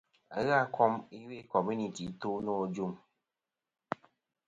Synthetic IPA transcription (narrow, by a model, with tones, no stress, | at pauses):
a˦ɣa˦˨˦kʰɔ˦mi˦we˦kɔ˨mju˦ni˨ti˨˦to˦nɔ˦˨d͡ʒu˦˨m